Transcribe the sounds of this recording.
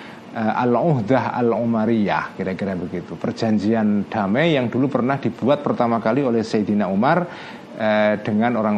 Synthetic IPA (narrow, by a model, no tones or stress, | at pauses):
əʔa̰luɦd̪aɦa̰lumaɾija̰hkiɾakiɾabəɡit̪upərd͡ʒ̥a̤ɲd͡ʒiand̥amɛjaŋdulupərnahd̥ib̥uat̪̚pərt̪amakaliolɛhsajd̪inaumar | əd̥əŋanoɾaŋ